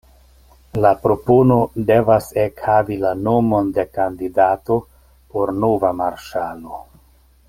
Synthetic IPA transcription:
lapɾo̞pono̞de̞vasekhavilano̞mo̞nde̞kandidato̞ | po̞ɾnovamaɾʃalo̞

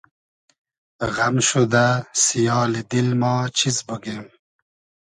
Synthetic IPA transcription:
ɣamʃud̪asijɑːlid̪ilmɑːt͡ʃʰizbəɡem

